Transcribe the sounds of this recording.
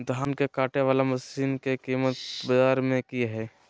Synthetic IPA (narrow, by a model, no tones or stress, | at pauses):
d̪ʱaːnkekaːʈeʋaːlaməsiːnkekiːmət̪bəd͡ʒaːɾmẽkiɦɛː